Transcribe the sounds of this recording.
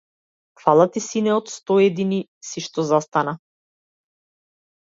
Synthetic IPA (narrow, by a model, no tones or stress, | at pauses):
kfalˠat̪isinɛɔt̪st̪ɔɛd̪inisiʃt̪ɔzast̪ana